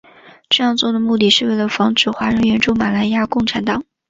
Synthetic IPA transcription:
ʈ͡ʂɤ˥˧jɑ˥˧ŋt͡swɔ˥˩d̪ə˩mu˥˧t̪i˥˩ʂɻ̩˥˧we˥˩ɪlə˩fɑ˧˥ŋʈ͡ʂɻ̩˨˩xwa˧˥ɻə˧˥nɥɛ˧˥nʈ͡ʂu˥˩ma˨˩la˧˥ɪja˥˧kʊ˥˩ŋʈ͡ʂʰa˧˥nt̪ɑ˨˩˦ŋ

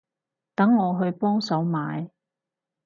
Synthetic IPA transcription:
t̪ɐ˨˥ŋːɔː˨˧ɦɵ˧ɥpɔː˥ŋsɐ˨˥wmaː˨˧j

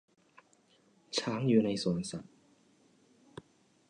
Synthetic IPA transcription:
t͡ɕʰaː˦˥ŋjuː˨˩na˧jsu˩˦nsa˨˩t̚

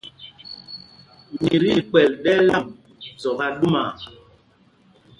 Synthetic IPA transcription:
mi˨ɾi˦˨k͡pɛ˨lɗɛ˦la˦˨m | zɔ˨ɣa˦ɗu˦ma˨

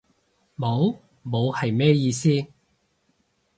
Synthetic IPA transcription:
mo˨˧˥w | mo˨˧whɐ˨jmɛː˥jiː˧siː˥

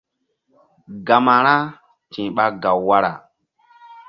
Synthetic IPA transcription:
ɡa˨ma˨ɾa˦ | tĩ˨ɓa˦ɡa˨wːa˦ɾa̰˨

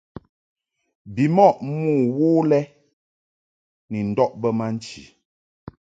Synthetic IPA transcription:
bi˨mɔ˦˨ʔmuː˦˨wuː˦lɛ˦ | ni˨n̩˨dɔ˦ʔbə˦ma˦n̩˦t͡ʃḭ˨

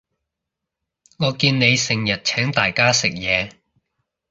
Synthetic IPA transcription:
ŋɔː˨˧kiː˧nne˨˧jsɪ˨˩ŋjɐ˨t̚t͡ʃʰɛː˨˥ŋt̪aː˨jkaː˥sɪ˨k̚jɛː˨˧

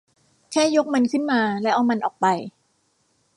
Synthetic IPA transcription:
kʰɛː˥˩jo˦˥k̚mɤ˧nkʰɯ˥˩nmaː˧lɛ˦˥ʔa˧wma˧nʔɔː˨˩k̚pa˧j

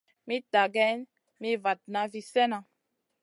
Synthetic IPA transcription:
mĩ˦ta˨ɡɛ˦n | mi˦va˨t̚na˦vi˦sɛ˦nã˨

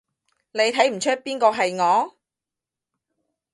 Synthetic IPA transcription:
ne˨˧jt̪ʰɐ˨˥jm̩˨˩t͡ʃʰɵ˥t̚piː˥nkɔː˧ɦɐ˨jŋɔː˨˧

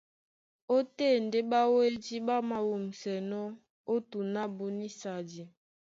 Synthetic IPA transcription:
o˦te˦˨n˨de˦ba˦we˦di˦ba˦ma˦wo˨m̩˨sɛ˨nɔ˦ | o˦tu˨na˦bu˨ni˦sa˨d͡ʒi˨

